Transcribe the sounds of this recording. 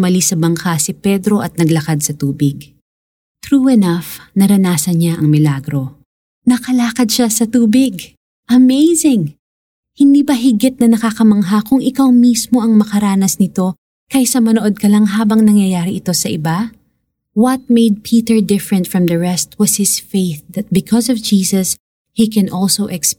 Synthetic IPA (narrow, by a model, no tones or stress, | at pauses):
mɐlisɐbɐŋkasipɛd̪ɾo̞ʔɐt̪̚nɐɡlɐkad̪̚sɐt̪uːbɪɡ | t̪ɾuːɛnɐfnɐɾɐnaːsɐnɲaʔɐŋmɪlaɡɾo̞ | nɐkɐlaːkɐd̪̚ʃasɐt̪uːbɪɡ | ʔɐmejzɪŋ | hɪnd̪iːbɐɦɪɡɪt̪̚nɐnɐkakɐmɐŋɦakʊŋɪkawmismo̞ʔɐŋmɐkɐɾaːnɐsnɪt̪o̞ | kɐjsɐmɐnoʔo̞d̪̚kɐlaŋɦaːbɐŋnɐŋjɐjaːɾiʔɪt̪o̞sɐʔɪba | wɐt̪̚meɪd̪̚pʰiːt̪ɛɹd̪ɪfɹɛ̃nt̪fɹɐ̃md̪ɐɹɛst̪̚wɐz̥hɪsfeɪθðɐt̪̚bɪkʰɔsɔvd͡ʒiːsɐs | hikɛ̃nʔɔlsowʔɛks